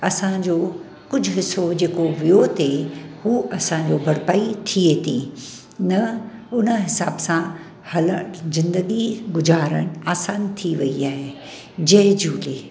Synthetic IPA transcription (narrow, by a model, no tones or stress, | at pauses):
ɐsãd͡ʑoː | kʊd͡ʑʱʊɦɪsod͡ʑeːkoʋijot̪ʰehuːʔɐsãd͡ʑoːbʱɐɽpaːit̪ʰiet̪ʰĩ | nɐʊnəɦɪsaːbsã | hɐləzɪ̃nd̪əɡiɡʊzaːɾəɽ̃aːsaːnt̪ʰiʋɐiaːɦe | d͡ʑɐɦd͡ʑuːleː